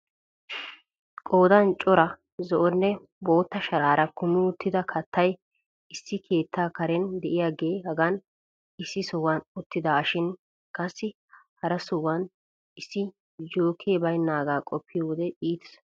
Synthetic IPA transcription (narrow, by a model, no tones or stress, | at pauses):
kʼoːd̪ɐnt͡ʃʼɔɾɐ | zɔʔɔnːɛ | bo̞ːt̪ːɐʃɐɾaːɾɐkʊmːɪʊt̪ːɪd̪ɐkʰɐt̪ʰːɐj | ɪsːɪkʰe̞ːt̪ʰːaːkɐɾɛnd̪ɛʔɪjaːɡeːhɐɡɐn | ɪsːɪsɔwɐnʊt̪ːɪd̪aːʃɪn | kʼɐsːɪ | hɐɾɐsʊwɐn | ɪsːɪ | d͡ʒoːkʰeːbɐjnːaːɡaːkʼɔpʰːɪjɔwɔd̪ɛʔiːt̪ɛ̥s